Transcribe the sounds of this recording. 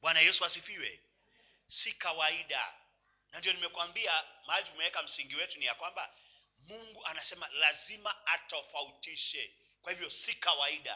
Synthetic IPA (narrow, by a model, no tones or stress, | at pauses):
ɓwanajɛsuasifiwɛ̰ | sikawaiɗa̰ | nandijɔnimɛkwambiamad͡ʒumɛwɛkam̩siŋɡiwɛtunijakwamba̰ | muŋɡuanasɛmalazimaatɔfautiʃɛ | kwahivjɔsikawaiɗa̰